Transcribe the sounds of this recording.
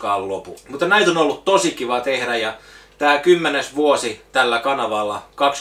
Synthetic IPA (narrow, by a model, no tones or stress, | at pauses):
kɑːllopumut̪ːɑnæit̪onolːut̪t̪osikiʋɑt̪ehɾæjɑt̪æːlkymːenesʋuosit̪ælːækɑnɑʋɑlːɑkɑks